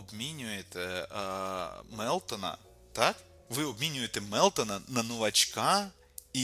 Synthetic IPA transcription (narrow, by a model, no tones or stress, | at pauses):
ɐbmʲinʲʊjɪt̪ə | mɛlˠt̪ənə̰ | t̪ak | vɨɐbmʲinʲʊjɪt̪ɪmɛlˠt̪ənənɐnʊvɐt͡ɕka | i